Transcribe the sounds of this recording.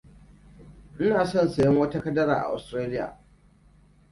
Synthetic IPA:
ʔɪ˦naː˨sɔ˦˨nsa˨jɔ˦ŋwɐ˦ta˦kɐ˦dɐ˦ɾaː˨ʔa̰˨ʔa̰˨stɾaː˦lɪ˦ja̰ː˨

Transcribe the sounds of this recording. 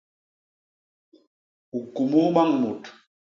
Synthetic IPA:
u˨ku˨mu˦ɓa˦ŋmu˨t

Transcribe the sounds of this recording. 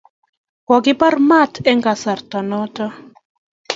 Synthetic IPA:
kɔ˨ɡɪ˦pa˦rma˦tɛ˦ŋɡa˨sa˨rtɔ˨nɔ˦tɔ˦

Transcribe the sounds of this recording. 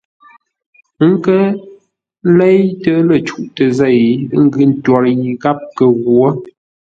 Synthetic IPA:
ŋ̩˦kə˦ | le˦jtə˦lə˨t͡ʃu˦˨ʔtə˨zɛ˦˨jŋ̩˦ɡɯ˦n̩˦twɔ˨ɾji˨ɡa˦p̚kə˨ɣwə˦

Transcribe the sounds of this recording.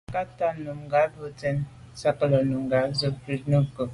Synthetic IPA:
ka˦ta˦nu˨mŋɡa˨˦bə˦tɛ˦n | sa˦kə˦lə˨nu˨ŋɡa˨˦zə˦pɾi˦nə˦kə˨

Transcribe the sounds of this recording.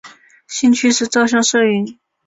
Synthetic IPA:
ɕi˥˧nt͡ɕʰy˥ʂɻ̩˥˧t͡sɑ˥˧ʊɕ̬jɑ˥˧ŋʂɤ˥˧y˥n

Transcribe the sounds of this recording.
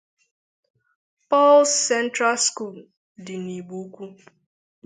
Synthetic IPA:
pɔ˦lsːɛ˦ntɾa˦sku˦˨l | dɪ˨ni˨ɡ͡bu˦kʷu˦

